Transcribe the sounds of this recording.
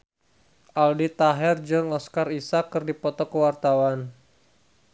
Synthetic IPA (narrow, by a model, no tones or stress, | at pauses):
ʔaldit̪aɦɛrd͡ʒəŋɔskarisakːɨrdipɔt̪ɔkəwart̪awan